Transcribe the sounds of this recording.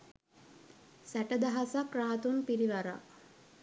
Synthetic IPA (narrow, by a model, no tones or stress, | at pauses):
sæʈəd̪aɦasakːɾaɦat̪unpiɾiʋaɾa̰